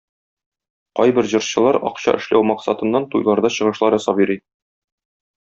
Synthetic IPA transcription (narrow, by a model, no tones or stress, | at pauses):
qɒjbɘɾʑɤ̆ɾɕɤ̆lˠɑɾɒ̰qɕɑ̰ʔɘ̆ʃlæ̰wmɑqsɑt̪ɤ̆nːɑnt̪ujlˠɑɾd̪ɑɕɤ̆ʁɤ̆ʃlˠɑɾɒsɑpjɤ̆ɾi